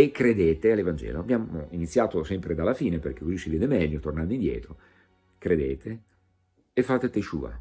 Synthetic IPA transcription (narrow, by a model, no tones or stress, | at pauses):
ekːɾed̪eːt̪ealːevand͡ʒɛ̰ːloabːjaːmoinit̪sːjaːt̪osɛmpɾed̪alːafiːneperk̟ekːuit͡ʃːivjɛːd̪emɛʎːot̪ornand̪oind̪jɛ̰ːt̪ɾo | kɾed̪eːt̪ʰe | efːaːt̪et̪et͡ʃṵːa̰